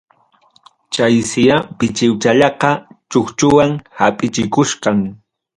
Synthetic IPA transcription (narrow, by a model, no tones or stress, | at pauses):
t͡ʃajsɪjapɪt͡ʃɪwt͡ʃaʎɑqɑt͡ʃoχt͡ʃʊwaŋhapʼɪt͡ʃɪkʊʃqɑŋ